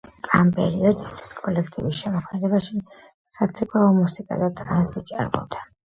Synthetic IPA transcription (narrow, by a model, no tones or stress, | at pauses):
ampʼɛ̰ɾiɔd̪ist̪ʰwi̥skʼɔlɛkʰt̪ʼḭvisʃɛmɔχʰnɛd̪ɛbaʃi | sat̪sʰikʼaɔmusikʼa̰d̪at̪ʼɾansit͡ʃʼa̰ɾmɔ̰d̪a